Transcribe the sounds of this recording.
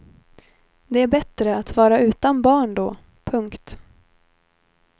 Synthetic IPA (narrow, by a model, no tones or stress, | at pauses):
d̪ɛæɾbɛt̪ɾəat̪vɑːɾaʉ̟ːt̪anbɑːɳd̪ɔː | pʰɵŋkt̪